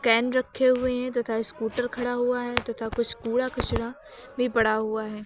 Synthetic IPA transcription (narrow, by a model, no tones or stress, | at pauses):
kɛːnɾɐkʰːeɦʊeɦɛ̃t̪ɐt̪ʰaɪskuːʈəɾkʰɐɽaɦuaɦɛːt̪ɐt̪ʰakʊd͡ʒʰʱkuːɽakɐʃɽa | bʱipɐɽaɦuaɦɛː